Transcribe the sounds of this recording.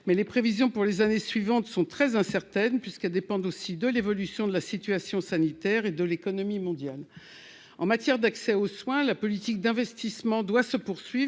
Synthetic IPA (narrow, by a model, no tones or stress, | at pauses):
mɛlepχevizjɔ̃puʁlezanesɥivɑ̃t̪sɔ̃t̪χɛzɛ̃sɛʁt̪ɛnpɥiskɛld̪epɑ̃d̪osid̪əlevɔlysjɔ̃d̪əlasit̪yasjɔ̃sanit̪ɛʁed̪əlekɔnɔmimɔ̃d̪jal | ɑ̃mat̪jɛʁd̪aksɛoswɛ̃lapɔlit̪ik̚d̪ɛ̃vɛst̪ismɑ̃d̪wasəpuʁsɥivʁ